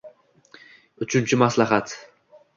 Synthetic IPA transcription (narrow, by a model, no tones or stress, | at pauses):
ʊt͡ʃʰɪnt͡ʃʰɪmaslaɦat̪